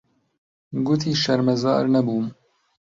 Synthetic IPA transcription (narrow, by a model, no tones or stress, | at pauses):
ɡʊt̪ʰiːʃɐɾmɐzɑ̰ːɾnɐbuːm